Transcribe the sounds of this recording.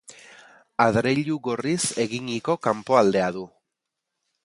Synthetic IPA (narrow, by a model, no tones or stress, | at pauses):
aðɾeʎuɣo̞rise̞ɣiŋiko̞kampo̞ald̪e̞að̞u